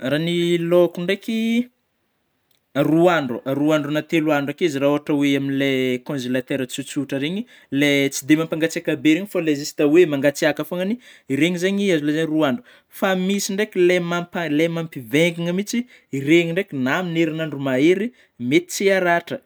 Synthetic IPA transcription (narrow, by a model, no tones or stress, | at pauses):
ranilokuɳɖ͡ʐeki | aruaɳɖ͡ʐuaɾuaɳɖ͡ʐunat̪eluaɳɖ͡ʐakizraoaʈ͡ʂəweaminlekõzelat̪eɾət͡sut͡suʈ͡ʂəɾeɲi | let͡sid̪emampaŋɡat͡siakabeɾeɲifalezisi̥t̪awemaŋɡat͡siakafoŋaniiɾeɲizaɲiazulezaɲiruaɳɖ͡ʐu | famisiɳɖ͡ʐeklemampalemampivɛŋɡiŋəmit͡si | ireɲiɳɖ͡ʐekinamineɾinaɳɖ͡ʐumaeɾi | met̪i̥t͡siaɾaʈ͡ʂə